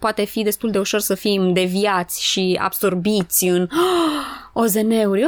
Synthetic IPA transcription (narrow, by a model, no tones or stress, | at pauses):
poat̪e̞fid̪e̞st̪uld̪e̞uʃo̞rsəfimd̪e̞viat̪sʲʃia̰b̥so̞rbit̪sʲɨn | o̞ze̞ne̞urʲ